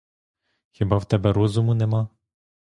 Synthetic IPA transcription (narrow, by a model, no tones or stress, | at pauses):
xʲibɑwt̪ɛbɛɾɔzʊmʊnɛmɑ